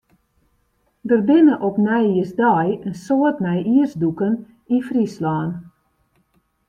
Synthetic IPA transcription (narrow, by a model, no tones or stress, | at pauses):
dərbɪnəʔɔpnɛjiəsdɔjənsoətmɛjiərsdukən | ifrislaːn